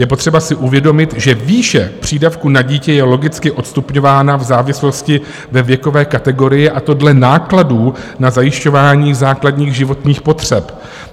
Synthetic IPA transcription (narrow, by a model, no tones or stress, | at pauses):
jɛp̬o̞t̪r̥ɛbasɪʔuvjɛdo̞mɪt̪ʒɛviːʃɛpr̝̥iːdafkunaɟiːcɛjɛlo̞ɡɪt͡skɪʔo̞t̪st̪upɲo̞vaːnavzaːvɪslo̞scɪ | vɛvjɛko̞vɛːkat̪ɛɡo̞ɾɪjɪʔat̪o̞dlɛnaːkladuː | nazajɪʃco̞vaːɲiːzaːkladɲiːɣʒɪvo̞t̪ɲiːxpo̞t̪r̝̥ɛp